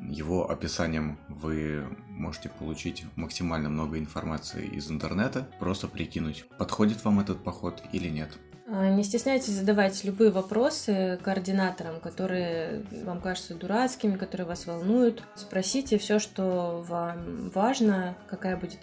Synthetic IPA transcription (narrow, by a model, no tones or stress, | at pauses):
jɪvo̞ʔɐ̰pʲɪsanʲɪjəmvɨmo̞ʐɨ̥tʲɪpəlˠʊt͡ɕitʲməksʲɪmalʲnəmno̞ɡəɪnfɐrmat̪sɨ̰ɪ̰ɪ̰zɨnt̪ɨrnɛt̪əpɾo̞st̪əpɾʲɪkʲinʊtʲpɐt̪xo̞dʲɪt̪vamɛt̪ət̪̚pɐxo̞t̪ḭlʲɪnʲe̞t̪ | ənʲɪsʲtʲɪsʲnʲæjtʲɪsʲzəd̪ɐvajtʲlʲʊbɨjəvɐpɾo̞sɨkəɐrdʲɪnat̪əɾəmkɐt̪o̞ɾɨjəvamkaʐɨt̪səd̪ʊɾat̪skʲɪmʲɪkɐt̪o̞ɾɨjəvasvɐlˠnujʊt̪ | spɾɐsʲitʲɪfsʲoʂt̪o̞vamvaʐnəkɐkajəbudʲɪt̪